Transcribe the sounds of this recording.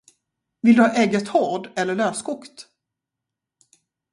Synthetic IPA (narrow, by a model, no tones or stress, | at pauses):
vɪld̪ɵhɑːʔɛɡət̪hɔɖɛlːəɭøːskʰʊkt̪